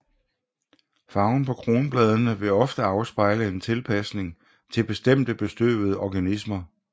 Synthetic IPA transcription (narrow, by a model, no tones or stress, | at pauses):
fɑ̈ʊn̩pʰɒ̽kʰʁo̝ːnəb̥lɛð̞ˠənəʋe̝ɒ̽fd̥əɑ̈ʊsb̥ɑ̈ɪləe̝nt͡sʰe̝lpʰæsne̝ŋ | t͡sʰe̝lb̥e̝sd̥em̰d̥əb̥e̝sd̥ø̰ːbð̞̩ˠəʔɒɡ̥ænismɐ